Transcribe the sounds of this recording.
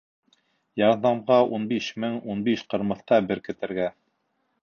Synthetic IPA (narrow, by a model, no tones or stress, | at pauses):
jɑɾðɑmʁɑʔunbiʃmɘŋunbiʃqɤ̆ɾmɤ̆θq̪ɑbɘɾkɘ̆t̪ɘ̆ɾɡæ